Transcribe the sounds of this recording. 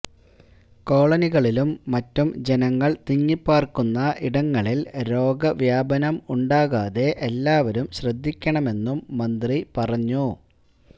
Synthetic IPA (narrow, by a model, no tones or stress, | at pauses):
ko̞ːɭɐniɣɐɭilumːɐtːumd͡ʑe̞nɐŋːɐɭt̪iɲːipːaːrkunːɐʔiɽɐŋːɐɭilɾo̞ːɡɐʋjaːbɐnɐmuɳɖaːɣaːðe̞ʔelːaːʋɐɾumɕrɐd̪ʱːikʲːɐɳɐme̞nːumːɐnd̪ripɐrɐɲːu